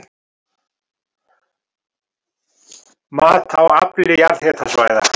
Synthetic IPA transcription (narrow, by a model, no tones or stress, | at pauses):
maːðt̪ʰawa̰pɪɾɪjaɾðhɛt̪ʰasvaːjða̰